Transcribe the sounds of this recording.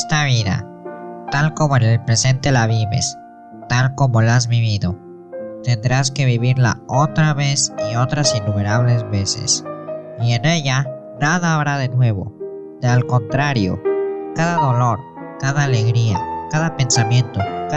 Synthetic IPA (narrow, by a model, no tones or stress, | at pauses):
st̪aβiða̰t̪alko̞mo̞ene̞lpɾe̞se̞nt̪e̞laβiβe̞̰s | t̪alko̞mo̞laazβiβ̞iðo̞ | t̪e̞nd̪ɾaske̞βiβiɾla̰o̞t̪ɾaβe̞sio̞t̪ɾasinːume̞ɾaβ̞le̞zβe̞sḛsie̞ne̞ʝa | naðaːβɾaðe̞nwe̞βo̞̰ | alko̞nt̪ɾaɾjo̞̰kaðaðo̞lo̞ɾ | kaðaːle̞ɣɾiakaðape̞nsamjẽ̞nt̪o̞ka